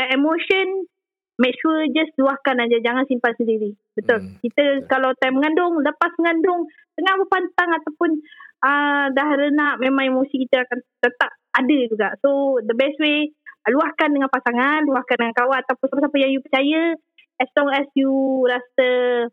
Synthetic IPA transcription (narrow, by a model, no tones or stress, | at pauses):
emoʃən | mɛk̚ʃuəd͡ʒasluahkanad͡ʒad͡ʒaŋansimpat̪̚səndiɾi | bət̪ɔlkit̪əkalawt̪ajməŋandʊŋləpasməŋandʊŋ | t̪əŋahbəpant̪aŋat̪awpʊnədahɾənaʔmemãŋemosikit̪əakant̪ət̪ap̚adəd͡ʒuɡaʔsod̪əbɛsweluahkandəŋanpasaŋanluahkandəŋankawaʔat̪awpʊnsapəsapəjaŋjupət͡ʃajə | ɛslɔŋɛsjuɾasə